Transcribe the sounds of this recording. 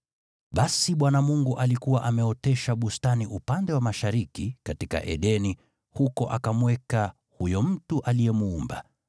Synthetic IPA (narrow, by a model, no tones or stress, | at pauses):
ɓasiɓwanamuŋɡuʔalikuwaʔamɛɔtɛʃaɓustaniʔupandɛwamaʃaɾikikatika̰ʔɛ̰ɗɛni | hukɔʔakamwɛka | hujɔm̩tuʔalijɛmuːmba̰